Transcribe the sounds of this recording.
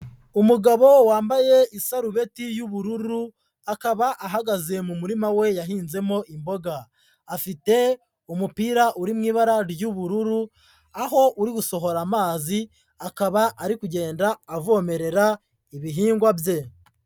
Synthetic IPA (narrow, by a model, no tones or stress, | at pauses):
umuɡaβo̞waːmbaje̞ʔisaɾuβe̞tijuβuɾuɾu | akaβaʔaɦaɡaze̞mumuɾimawe̞jaɦiːnze̞mo̞ʔimbo̞ɡaː | fite̞ | umupiːɾaʔuɾimŋiːβaɾaɾjuβuɾuɾu | aɦo̞ʔuɾiɡuso̞ɦo̞ɾamaːzi | akaβaʔaɾikuɟe̞ːndaːvoːme̞ɾe̞ɾa | iβiɦiːŋɡwabje̞